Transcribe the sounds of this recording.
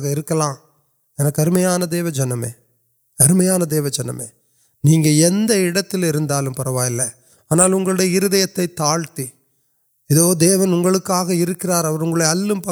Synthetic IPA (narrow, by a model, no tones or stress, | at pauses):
ɣɐɪɾɯkːɐlãː | ɛnɐkːɐɾɯmɐjaːnɐd̪eːʋɐd͡ʒɐnːɐmḛː | ɐɾɯmɐjaːnɐd̪eːʋɐd͡ʒɐnːɐ̰mḛː | niːŋɡɐɛnd̪ɐɪɽɐt̪ːɪlɪɾɯnd̪aːlɯmpɐɾɐʋaːjɪlːɐ | aːnaːlʊŋɡɐɭɯɽɐjɐɪɾɯðɐjɐt̪ːɐɪt̪ːaːɻt̪i | ɪðoːd̪eːʋɐnʊŋɡɐɭɯkːaːɣɐɪɾɯkːɪraːɾɐʋɐɾʊŋɡɐɭɐjɐɐlːɯmpɐ